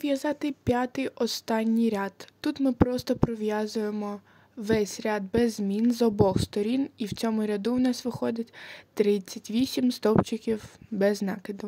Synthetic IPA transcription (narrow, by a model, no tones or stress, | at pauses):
ʋjɐzɑt̪ɪpʲjat̪ɪjʔɔst̪ɑnʲːijɾʲat̪t̪ːut̪mɪpɾɔst̪ɔpɾɔʋjɑzʊjemɔ | ʋɛsʲɾʲɑd̪̚bɛzmʲinzɔbɔxst̪ɔɾʲiniwt͡sʲɔmʊɾʲɐd̪uwnɑsʋɪxɔd̪ʲɐtʲt̪ɾɪt͡sʲːɐtʲʋʲisʲimst̪ɔpt͡ʃɪkʲiwbɛznɑkɪd̪ʊ